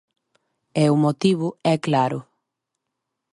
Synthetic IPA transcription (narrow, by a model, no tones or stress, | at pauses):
ɛʊmot̪iβʊɛklaɾʊ